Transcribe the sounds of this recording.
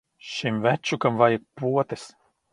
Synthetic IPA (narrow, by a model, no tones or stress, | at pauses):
ʃimvʲæt͡ʃːukamvajik̚puɔt̪ɨs